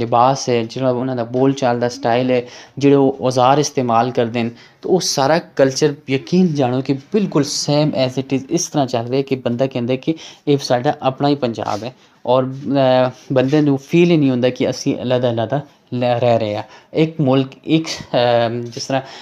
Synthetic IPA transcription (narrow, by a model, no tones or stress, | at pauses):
lɪbaːsɦɛːd͡ʒɪɽãːʊnãːd̪aːboːlt͡ʃaːld̪aːsʈaːilɛːd͡ʒeːɽoːʔɔzaːɾɪst̪eːmaːlkəɾd̪eːn | t̪ooːsaːɾaːkəlt͡ʃəɾjəkiːnd͡ʒaːɽ̃oːkɪbɪlkʊlseːmɛːzɪʈɪzɪst̪əɾãːt͡ʃəlɾeːɛːkɪbənd̪aːkɛ̃ːnd̪eːɛːkɪeːsaːɖaːʔəpnaːiːpəɲd͡ʒa̰ːbɛː | ɔːɾ | bənd̪ẽːnũːpʰiːliːnĩːɦõːnd̪aːkɪə̰sĩːʔə̰lad̪aːlaːd̪aː | ɾɛːɾəaːɪkmʊlkɪk | d͡ʒɪst̪əɾãː